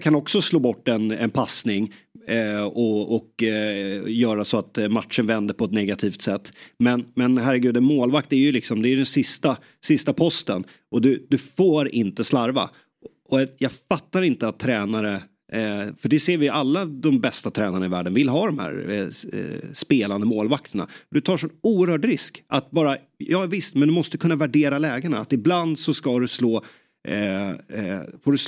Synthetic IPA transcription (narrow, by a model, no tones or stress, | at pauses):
kʰanɔksɔsloːbɔʈːɛnɛ̰npʰasnɪŋ | ɔɔk | jœːɾasɔat̪mat̪ʂənvɛnd̪əɾpʰɔɛt̪nɛɡat̪ʰiːft̪sɛt̪ːmɛnmɛnɦæɾːɛɡʉ̟ːd̪ɛnmoːlvak̚t̪æɾjɵlɪksɔmd̪ɛːjʏd̪ɛnsɪst̪a | sɪst̪apʰɔst̪ən | ʔɔd̪ɵd̪ɵfoːɾɪ̰nt̪əslaɾva̰ | ɔjɑːɡfat̪ːaɾɪnt̪əat̪ʰːɾɛːnaɾə | fœɖɛseːɾvɪjʔalːad̪ɔmbɛst̪at̪ʰɾɛːnaɳaɪvæ̰ːɖənvɪlɦɑːd̪ɔmhæ̰ːɾ̰ | speːland̪əmoːlvakt̪əɳa̰d̪ɵt̪ʰɑːʂɔnuːəɾhœːʈɾɪskʔat̪̚bɑːɾa | jɑːvɪst̪mɛnd̪ɵmɔst̪əkʰɵnːavæɖeːɾalɛːɡəɳaa̰t̪ɪbland̪sɔskad̪ɵsloː | foːɖɵ